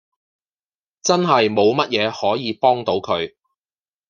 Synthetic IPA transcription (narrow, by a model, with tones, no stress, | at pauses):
t͡sɐ˥nɦɐ˨jmo˨˧wmɐ˥t̚jɛː˨˧hɔː˨˥jiː˨˧pɔː˥ŋt̪o˨˥wkʰɵ˨˧ɥ